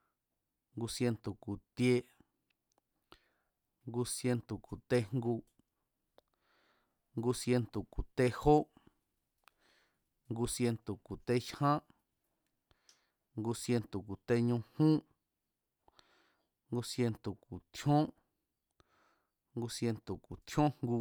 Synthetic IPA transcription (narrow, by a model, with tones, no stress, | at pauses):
ŋɡu˧sje˧nt̪u˨ku˨t̪je˦ | ŋɡu˧sje˧nt̪u˨ku˨t̪e˦ŋŋɡu˧ | ŋɡu˧sje˧nt̪u˨ku˨t̪e˧ho˦ | ŋɡu˧sje˧nt̪u˨ku˨t̪e˦ʃhã˦ | ŋɡu˧sje˧nt̪o˨ku˨t̪e˧ɲũ˧hũ˦ | ŋɡu˧sje˧nt̪u˨ku˨t̪ʰjõ˦ | ŋɡu˧sje˧nt̪o˨ku˨t̪ʰjõ˦ŋ̥ŋɡu˧